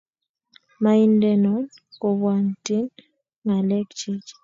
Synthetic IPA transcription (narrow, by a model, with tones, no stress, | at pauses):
ma˦i˦ndɛ˦nɔ˨˦n | ko˨βwa˨n˨ti˦n | ŋa˨lɛ˦kt͡ʃi˦t͡ʃ